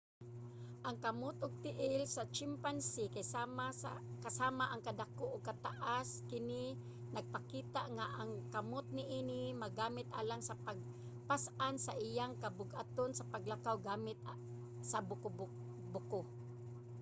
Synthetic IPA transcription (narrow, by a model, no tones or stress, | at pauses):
ʔaŋkamot̪ʊɡ̚t̪ɪʔɪlsat͡ʃɪmpansikajmakasaːmaʔaŋkad̪akoʔʊɡ̚kat̪aʔaskɪnɪ | nɐɡ̚pakiːt̪aʔŋaʔaŋkamot̪̚nɪʔiːnɪmaɡaːmɪt̪ʔa̰ːlaŋsapaɡ̚ | pasʔansaʔɪjaŋkabʊɡʔa̰t̪onsapaɡlakawɡaːmɪt̪ | sabʊkʊb | bʊko